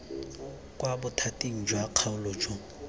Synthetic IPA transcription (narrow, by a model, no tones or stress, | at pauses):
kʼwabʊtʰatʼiŋ̩d͡ʒwaq͡χʰaʊloːd͡ʒo